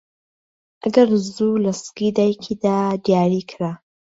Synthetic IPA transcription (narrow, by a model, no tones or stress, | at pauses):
ʔɐɡɐɾzulɐskid̪aːjkʰid̪ad̪jaːɾikʰɾa